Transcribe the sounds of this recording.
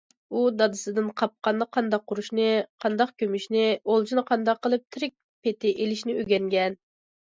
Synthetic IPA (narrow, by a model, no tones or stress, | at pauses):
ud̪ɑd̪ɨsɨd̪ɨnqʰɑp̚qɑnːqʰɑnd̪ɑq̚ʰːʊɾuʃnɨqʰɑnd̪ɑqkʲʰømyʃnɪolˠd͡ʒʰinɨqʰɑnd̪ɑqʰːəlˠɨp̚t̪ʰɪɾɪk̚ʲ | pʰet̪ʰɪʔelɪʃnɪøɡʲɛŋɡʲɛn